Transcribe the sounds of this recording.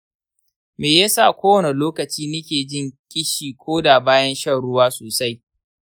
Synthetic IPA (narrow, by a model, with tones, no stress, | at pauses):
meː˨jaː˦sa˦˨kʷoː˦wɐ˨ne˨loː˦kɐ˨t͡ʃiː˦nɪ˦kʲeː˨d͡ʒɪ˦ŋkʲʼɪ˦ʃiː˨kʷoː˦da˨baː˦jɐ˦nʃɐ˦˨ɽʊ˦waː˦soː˨sa˦j